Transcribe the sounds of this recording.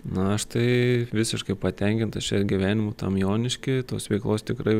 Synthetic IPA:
nʊɐʃt̪ɐɪʋʲɪsʲɪʃkɐɪpɐt̪ʲɛŋʲkʲɪnt̪ɐst͡ʃʲɛɾɡʲiʋʲæːnʲɪmʊt̪ɐ̰mjoːnʲɪʃʲkʲɪt̪oːsʋʲɛɪklˠoːst̪ʲɪkɾɐɪ

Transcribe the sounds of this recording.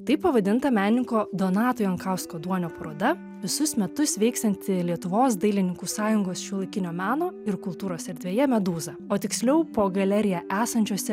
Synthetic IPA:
t̪ɐɪppːɐʋɐd̪ʲɪnt̪ɐmʲæːnʲɪŋkoːd̪oːnɑːt̪oːjɐŋkɑʊskoːd̪uɔnʲoːpɐɾoːd̪ɐ | ʋʲɪsʊsmʲɛt̪ʊsʋʲɛɪkst̪ɐnʲt̪ʲɪlʲiɛt̪ʊʋoːsd̪ɐɪlʲɪnʲɪŋkuːsɑːjʊŋɡoːsʃʲulˠɐɪkʲɪnʲoːmʲæːnoːɪɾkʊlˠt̪uːɾoːsɛɾʲd̪ʲʋʲeːjɛmʲɛd̪uːzɐoːt̪ʲɪksʲlʲɛʊpoːɡɐlʲɛɾʲɪjæʔæːsɐnʲt͡ʃʲuɔsʲɛ

